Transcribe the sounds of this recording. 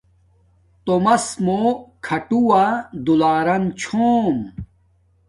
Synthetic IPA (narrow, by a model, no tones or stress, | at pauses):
t̪omɐsmokʰɐʈuwad̪ulaːɾɐnt͡ɕʰoːm